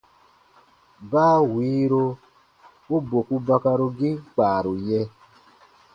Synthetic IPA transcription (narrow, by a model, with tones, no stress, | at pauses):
baː˦˨wiː˨˦ɾo˧ | o˦bo˨ku˧ba˧ka˧ɾo˧ɡi˦k͡paː˨ɾo˨jɛ˧